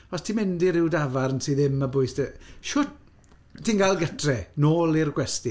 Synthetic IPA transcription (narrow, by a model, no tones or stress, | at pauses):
ɔstʰimɪndiɾɪwdavarnsiːðɪmːəbʊɨstəʃʊt | tʰinɡalˠɡətʰrɛnoːlˠirɡwɛsti